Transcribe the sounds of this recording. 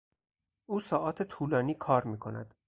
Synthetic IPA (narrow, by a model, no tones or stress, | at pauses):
ʔuːsɒːʔɒːt̪ʰet̪ʰuːlɒːniːkʰɒːɾmiːkʰo̞næ̰d̪̥